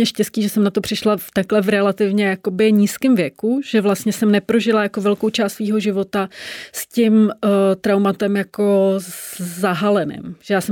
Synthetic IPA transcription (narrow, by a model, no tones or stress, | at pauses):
ɲɛʃcɛsciːʒɛsɛmnat̪o̞pr̥ɪʃlat̪aklɛvɾɛlat̪ɪvɲɛjako̞bɪɲiːskɪmvjɛkuʒ̥ɛvlast̪ɲɛsɛmnɛpɾo̞ʒɪlajako̞vɛlkowt͡ʃaːst̪sviːɦo̞ʒɪvo̞t̪ascɪmt̪ɾawmat̪ɛmjako̞ | zaɦalɛnɪ̰mʒ̥ɛjaːsɛ